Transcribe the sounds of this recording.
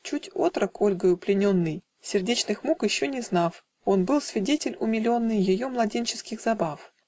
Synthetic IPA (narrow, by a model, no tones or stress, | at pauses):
t͡ɕutʲo̞t̪ɾəkʰo̞lʲɡəjʊplʲɪnʲo̞nːɨj | sʲɪrdʲet͡ɕnɨxmukjɪɕːonʲɪznaf | o̞nbɨlˠsvʲɪdʲetʲɪlʲʊmʲɪlʲo̞nːɨjjɪjo̞mlˠɐdʲenʲt͡ɕɪskʲɪxzɐbaf